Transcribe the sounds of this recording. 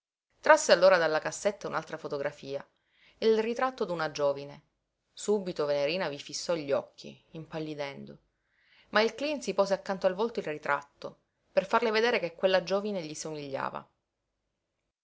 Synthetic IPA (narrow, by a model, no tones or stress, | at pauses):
t̪ɾasːealːoːɾad̪alːakasːet̪ːaunalt̪ɾafot̪oɡɾʔafiːa | ilrit̪ɾat̪ːod̪unad͡ʒoːvine | subit̪oveneɾiːnavifisːɔʎːɔkʰːḭːmpalːid̪ɛnd̪o | mailklinsipɔːseakːant̪oalvolt̪oilrit̪ɾat̪ːo | perfarleved̪eːɾekekːwelːad͡ʒoːvineʎisomiʎːa̰ːva̰